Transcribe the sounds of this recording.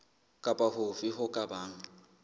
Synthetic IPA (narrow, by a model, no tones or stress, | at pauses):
kʼapʼahʊfɪɦʊkʼabaːŋ̩